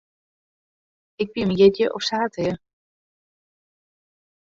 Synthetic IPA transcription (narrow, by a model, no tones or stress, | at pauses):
ɪk̚biməjɪdjəʔɔfsaːtʰəjə